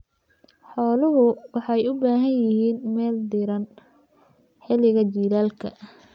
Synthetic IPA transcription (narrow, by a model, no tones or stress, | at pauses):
ħɔːlʊɦʊwɑħɑjʊbaːɦɐnjɪɦiːnmɛːld̪ɪɾɐn | ħɪlɪɣɐt͡ʃiːlaːlkʰɐ